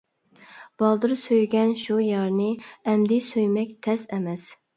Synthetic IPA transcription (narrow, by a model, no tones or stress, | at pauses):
b̥ɑlˠd̪ɨɾsøjɡʲɛnʃujɑɾnɨɛmd̪ɪsøjmɛkʲt̪ʰɛsɛmɛs